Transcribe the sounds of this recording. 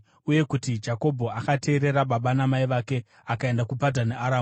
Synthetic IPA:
uje̞kutid͡ʒako̞bʱo̞akate̞ːɾe̞ɾaɓaɓanamaiʋake̞ | akae̞ndakupadʱaneʔaɾaːm

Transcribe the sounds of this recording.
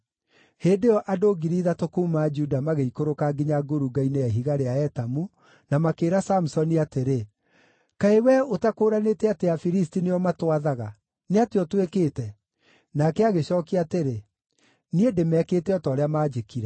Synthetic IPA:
heːndejɔʔadoːɡiɾiːðatokuːmaːd͡ʒudamaɣeikoɾokaɡiɲaɡoɾuɡaineɛɦiɣaɾeaɛtamu | namakeːɾasamusɔniateɾe | kaewɛotakoːɾanetɛateafiɾistineɔmatwaðaɣa | neateɔtwekeːtɛ | nakɛaɣeɕɔːkiateɾe | niedemɛːkeːtɛɔtɔɾeamaːd͡ʒekiɾɛ

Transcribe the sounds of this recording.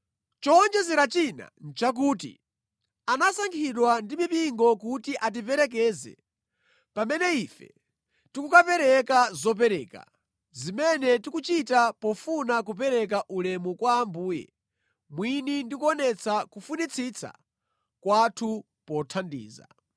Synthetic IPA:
t͡ʃɔnd͡ʒɛzɛɾat͡ʃina̰n̩t͡ʃak̬uːt̬ḭ | anasaŋkʰiɗwandimipiŋɡɔkutiʔat̬ipɛɾɛk̬ɛːzɛ̰ | pamɛnɛifɛ̰ | tikukapɛɾɛkazɔp̬ɛɾɛːka̰ | zimɛnɛtikut͡ʃitapɔfunak̬up̬ɛɾɛk̬aʔulɛmukwaːmbuːjɛ̰ | mwinindikuɔnɛt͡sʰakufunit͡sʰit͡sʰa̰ | kwatʰu | pɔtʰandḭːza̰

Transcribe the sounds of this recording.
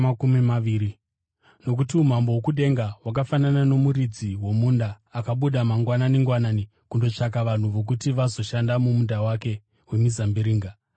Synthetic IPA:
akumimaiːɾi | no̞k̬utium̤ambowokuɗe̞ŋɡawak̬afananano̞muɾid͡ziwo̞mundaːkaɓuɗamaŋɡwananiŋɡwanani | kundo̞t͡ʂak̬aʋan̤uʋo̞k̬utiʋazo̞ʃandamumundawake̞ | we̞mizambiɾiːŋɡa

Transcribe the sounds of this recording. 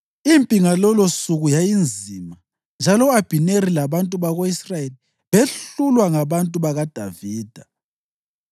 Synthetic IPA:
impʼiŋalɔlɔsuɣujajind͡zʱima | nd͡ʒʱalɔab̥ʱineɾilaβantʼuβaɣoisrajeli | βeɬulwaŋaβantʼuβaɣad̥ʱaviːd̥ʱa

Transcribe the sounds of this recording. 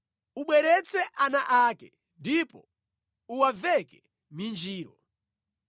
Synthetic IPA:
uɓwɛɾɛt͡sʰɛʔanaʔakɛ | ndipɔ̰ | uwavɛkɛ | mind͡ʒiːɾɔ

